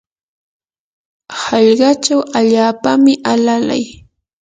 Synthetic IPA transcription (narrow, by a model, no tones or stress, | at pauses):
hɑʎɢɑt͡ʃawaʎaːpamɪʔalala̰j